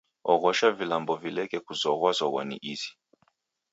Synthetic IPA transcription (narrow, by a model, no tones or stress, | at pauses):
ɔɣɔʃavilambɔvilɛkɛkuzɔɣwazɔɣwa̰nḭʔizi̥